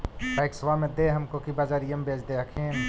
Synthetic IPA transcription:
baɪksʋamẽd̪eːɦɐmkokibaːd͡ʒaːɾijəmbʱeːt͡ʃd̪eɐkʰeːn

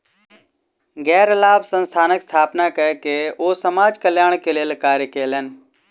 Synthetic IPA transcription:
ɡɛːɾəlaːbsə̃nst̪ʰaːnəkst̪ʰaːpnakəekeoːsəmaːd͡ʒkəljaːɽ̃keleːlkaːɾjəkeːlən

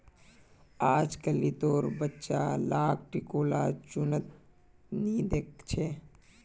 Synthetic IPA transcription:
aːd͡ʒkəlit̪oːɾbətːʃalaːk̚ʈikoːlat͡ʃʊnət̪ | nid̪eːk̚t͡ʃʰe

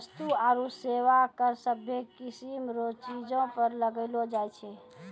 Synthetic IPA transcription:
əst̪uaɾũseʋakəɾsəbʱjekisimɾot͡ʃid͡ʒõpəɾləɡəlod͡ʒajt͡ʃʰe

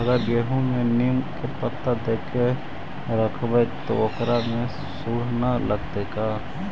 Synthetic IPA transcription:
əɡəɾɡeːɦõmẽnimkepət̪ːəd̪eːkʰe | ɾəkʰbət̪oʊkɾamẽ | suːɽ̤naləɡt̪eːkaː

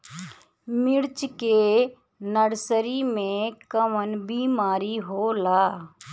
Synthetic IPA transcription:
mɪɽt͡ʃke | nəɽsəɾimẽkəmənbiːmaːɾiɦoːlaː

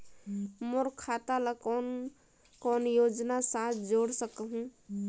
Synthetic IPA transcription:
moɾkʰat̪aləkɔn | kɔnjod͡ʒnasat̪ʰd͡ʒoɽsəkɦũ

